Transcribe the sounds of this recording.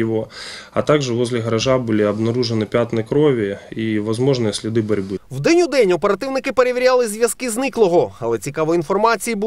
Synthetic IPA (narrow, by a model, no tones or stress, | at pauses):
ʋɔɐ̰t̪ɑɡʒɛʋɔzʲlʲɪɦɐɾɐʒabulʲiɐbnɐɾuʒenɪpʲat̪nɪkɾɔʋʲiiʋɐzmɔʐnɨjsʲlʲid̪ɪbɐɾʲbɪwd̪ɛnʲud̪ɛnʲɔpe̞ɾɐt̪ɪwnɪkɪpeɾeʋʲiɾʲalˠɪzʲʋʲjɐskɪznɪklˠɔɦɔɐlˠɛt͡sʲikɑʋɔin̪fɔrmɑt͡sʲijibu